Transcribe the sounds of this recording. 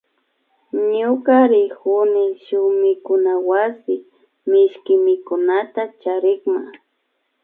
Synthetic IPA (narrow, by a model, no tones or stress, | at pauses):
ɲʊkaɾɪkʊnɪʃʊmɪkʊnawasɪ | mɪʃkɪmɪkʊnat̪at͡ʃaɾɪkma